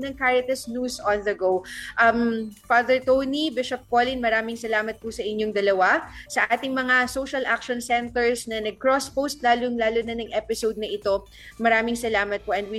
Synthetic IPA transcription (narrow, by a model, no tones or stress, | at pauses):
nɐŋkajɐt̪ɐsnusɔnðɐɡowʔɐmfaːðɛɹt̪ownibɪʃɐp̚koːlɪnmɐɾaːmɪŋsɐlaːmɐt̪̚pʊsɐʔɪnɲjoŋd̪ɐlɐwasɐʔaːt̪ɪŋmɐŋasowʃɐlʔakʃɔnsɛnt̪ɛɹsnɐnɐɡ̚kɹospowst̪̚laːlʊŋlaːlʊnɐnɐŋʔɛːpɪsowd̪̚nɐʔɪt̪o̞ | mɐɾaːmɪŋsɐlaːmɐt̪̚poʔɐn̚wi